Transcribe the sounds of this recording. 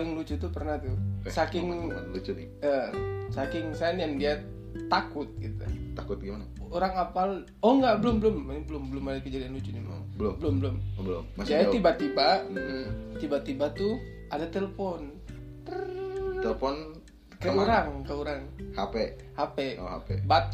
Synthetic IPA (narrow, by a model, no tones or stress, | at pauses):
lɪŋlut͡ʃut̪ːupərnaht̪usakɪŋlut͡ʃu | əsakɪŋsanjaŋdia | t̪akʊt̪̚ɡit̪ṵakʊt̪̚ɡimanaoɾaŋapal | ɔŋɡaʔbəlʊmbəlʊmanibəlʊmbəlʊmadakəd͡ʒadianlut͡ʃunima̰ŋbəlʊbəlʊmbəlʊmbəlʊmmasd͡ʒajat̪ibat̪iba | t̪ibat̪ibat̪u | adat̪eləfɔn | t̪ərɛləfɔn | kəuɾaŋkəuɾaŋhape | hapḛha̰pebat̪